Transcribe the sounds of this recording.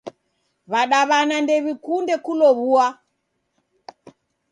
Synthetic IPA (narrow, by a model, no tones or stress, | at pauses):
βaɗaβanandɛβikundɛkulɔβua